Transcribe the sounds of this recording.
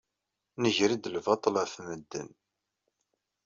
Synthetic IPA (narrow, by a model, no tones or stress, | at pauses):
nəʝɾid̪əlvɑt̪ˤlæfməd̪ːə̰n